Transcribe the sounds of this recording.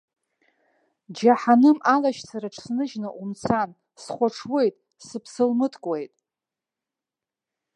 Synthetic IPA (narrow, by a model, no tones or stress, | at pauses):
d͡ʒaħanɨmalaʃt͡sʰaɾaʈ͡ʂʰsnɨʒnɨʔumt͡sʰan | sχʷaʈ͡ʂʰwejtʼ | sɨpʰsɨlmɨtʰkʷʼwe̞jtʼ